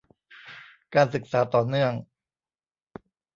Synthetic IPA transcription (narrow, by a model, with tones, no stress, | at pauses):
kaː˧nsɯ˨˩k̚saː˩˦t̪ɔː˨˩nɯ˥˩əŋ